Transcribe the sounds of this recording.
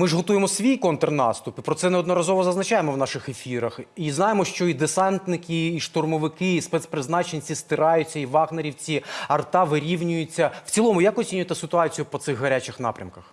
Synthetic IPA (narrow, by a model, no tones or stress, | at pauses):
mɪʐɦɔt̪ujemɔsʲʋʲijkɔnt̪rnɑ̰st̪ʊpipɾɔt̪sɛnɛɔd̪nɔɾɐzɔʋɔzɐznɐt͡ʃajemɔwnɑʃɪxefʲiɾɐxiznɑjemɔʃt͡ʃɔid̪esɑnt̪nɪkɪːʃt̪ɔrmɔʋɪkɪispɛtspɾɪznɑt͡ʃenʲt͡sʲist̪ɪɾɑjʊt͡sʲːɐiʋɑɣneɾʲiwt͡sʲiɐrt̪ɑʋɪɾʲiwnʲʊjʊt͡sʲːɐw̥t͡sʲilˠɔmʊjakɔt͡sʲinʲʊjet̪ɛsɪt̪ʊɑt͡sʲijʊpɔt̪sɪɣɦɐɾʲat͡ʃɪxn̪ɑ̰pɾʲɐ̰mkɐx